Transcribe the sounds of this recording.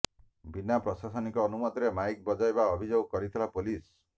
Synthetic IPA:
binapɾɔsasɔnikɔːnumɔd̪ɾemajk̚bɔd͡ʒajbaɔbʱid͡ʒoɡkɔɾit̪ʰilapulis

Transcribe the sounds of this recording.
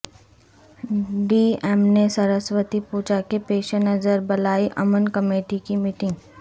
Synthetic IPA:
ɖiːɛmnesɐɾəsʋət̪ipuːt͡ʃakepeːʃenɐzəɾbɐlaːiʔɐmənkɐmeːʈikimiːʈɪ̃ŋɡ

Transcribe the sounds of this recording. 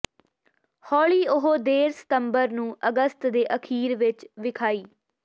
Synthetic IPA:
hɔːliːʊɦoːd̪eːɾsɪ̥t̪əmbəɾnũːʔəɡəst̪d̪eːʔəkʰiːɾʋɪt͡ʃʋɪkʰaːiː

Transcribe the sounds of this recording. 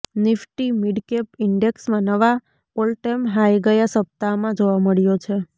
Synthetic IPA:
nɪfʈimiɖkepɪɳɖeksmãnəʋa | olʈemɦajɡəjasəp̚t̪amãd͡ʒoʋaməɭjot͡ʃʰe

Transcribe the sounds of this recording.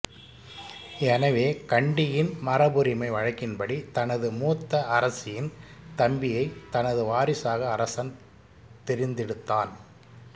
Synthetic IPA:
ɛnɐʋeːkɐɳɖɪjɪnmɐrɐbɯɾɪmɐɪʋɐɻɐkːɪnbɐɽit̪ɐnɐðɯmuːt̪ːɐɐɾɐsɪjɪnt̪ɐmbɪjɐɪt̪ɐnɐðɯʋaːɾɪsaːɣɐːɾɐsɐn | t̪ɪɾɪnd̪ɪɽɯt̪ːaːn

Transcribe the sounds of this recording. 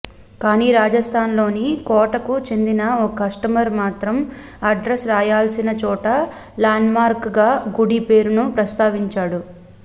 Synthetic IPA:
kaːniːɾaːd͡ʒɐst̪ʰaːnlo̞ːnikɔːʈɐkut͡ʃe̞nd̪inɐɔkɐsʈɐmɐɾmaːt̪ɾɐm | ɐɖɾesɾaːjaːlsinɐt͡ʃɔːʈɐ | laːnmaːɾkɡaːɡuɽipeːɾunupɾɐst̪aːʋiɲt͡ʃaːɽu

